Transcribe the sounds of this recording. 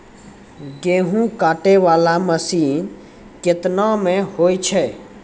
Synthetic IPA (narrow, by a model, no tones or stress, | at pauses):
ɡeːɦũkaːʈeʋaːlaməsiː | kɪt̪namẽhojt͡ʃʰɛ